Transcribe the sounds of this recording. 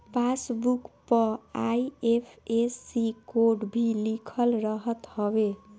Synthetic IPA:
pʰasbukpəajepʰesikoɖbʱilikʰəlɾəɦət̪həbe

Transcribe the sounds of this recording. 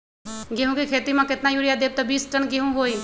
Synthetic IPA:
ɡeɦũkikʰeːt̪imãkɪt̪najuːɾjad̪eːb̚t̪ɔbiːsʈənɡeɦũɦoːi

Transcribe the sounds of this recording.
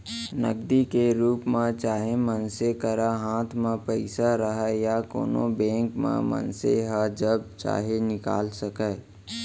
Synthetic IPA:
nə̰ɡ̚d̪ikeɾuːpmãt͡ʃaːɦemənsekəɾaɦãːt̪ʰmãpəɪsaɾəɦɛjako̰ːnõ̰bɛ̃ːŋkmã̰mə̰nseɦad͡ʒəb̚t͡ʃa̰ːɦenɪka̰ːlsəkɛ

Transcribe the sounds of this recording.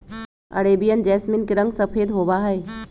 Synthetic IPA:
ɐ̰ɾeːbijənd͡ʒɛːsminkiɾɐ̃ŋɡsɐpʰeːd̪ɦoːʋaɦəe

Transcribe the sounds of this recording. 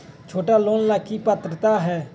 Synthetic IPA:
t͡ʃʰoːʈaːloːnlaːkʰːiːpət̪ɾət̪aːɦɛː

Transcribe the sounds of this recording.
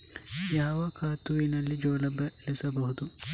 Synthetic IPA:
jaɦɐʋɐkʰaːt̪ːuʋinɐlːid͡ʒoːlɐbɐlesɐbɐɦud̪u

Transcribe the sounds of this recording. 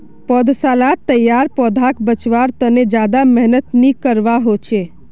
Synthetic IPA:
pɔd̪ʱsalat̪ːəjaɾpɔd̪ʱakbət͡ʃʋaɾt̪əned͡ʒad̪amɛɦnət̪nikəɾʋaɦot͡ʃʰe

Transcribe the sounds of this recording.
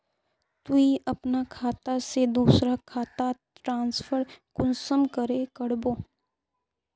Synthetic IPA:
t̪uiʔɐpnakʰaːt̪ased̪uːsɾakʰaːt̪a | ɾãːnsfʰəɾkʊnsəmkəɾekəɽboː

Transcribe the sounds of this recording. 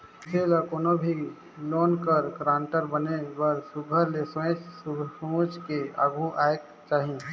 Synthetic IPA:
selakoːnobʱi | loːnkəɾkɾãːɳʈəɾbənebəɾsʊɡʱəɾlesẽt͡ʃ | ũt͡ʃkea̰ɡʱuʔaːek̚ | t͡ʃaːɦi

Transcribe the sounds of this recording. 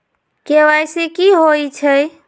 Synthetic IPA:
keʋajsekiɦojt͡ʃʰəj

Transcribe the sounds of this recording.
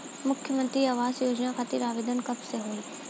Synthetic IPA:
mʊkʰjəmə̃nt̪ɾiaːʋaːzjoːd͡ʒnakʰat̪iɾaːʋeːd̪ənkɐbseɦoːi

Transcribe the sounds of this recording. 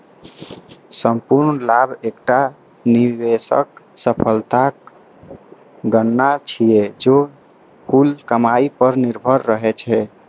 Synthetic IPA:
səmpuɾnlabʱekʈa | nibesə̰k̚ | səpʰəlt̪ak̚ | ɡənːat͡ʃʰied͡ʒo | pʰulkəmaipəɾniɾbʱəɾːəɦɛt͡ʃʰɛ

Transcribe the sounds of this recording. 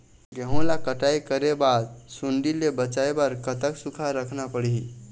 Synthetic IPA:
ɡəɦõlakəʈaikəɾebad̪suɳɖilebət͡ʃaebəɾkət̪əksukʰaɾəkʰnapəɽii

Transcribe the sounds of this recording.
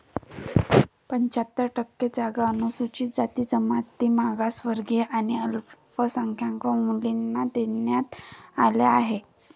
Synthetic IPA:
pəɲt͡ɕat̪ːəʈəkːed͡zaɡaənusut͡ɕiːd͡zat̪iːd͡zəmat̪ːiːmaɡasʋəɾɡeʔaniəlppəsaŋkʰjaŋkəmulinːad̪enjat̪aleaɦe

